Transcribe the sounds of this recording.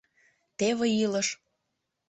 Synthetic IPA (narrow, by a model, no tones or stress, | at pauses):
t̪eβĕiləʃ